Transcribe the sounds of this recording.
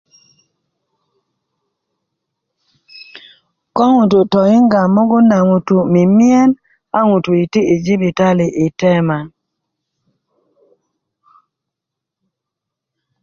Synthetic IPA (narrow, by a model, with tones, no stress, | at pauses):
kɔ˦ŋu˨tu˨tɔ˨ŋi˦ŋɡa˨mːɔ˦ɡɔ˦na˨ŋu˨tu˨mi˨mi˦ɛ˦n | a˦ŋu˨tu˨i˨ti˦i˨d͡ʒi˦bi˨ta˦li˨ʔi˨tɛ˦ma˨